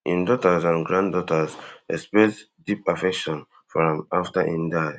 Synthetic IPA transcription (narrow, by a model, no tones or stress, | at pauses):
ĩndɔtazãnɡɹãndɔtazɛ̰spɛs | dipafɛkʃɔ̃n | fɔɹãmaftaʔĩnda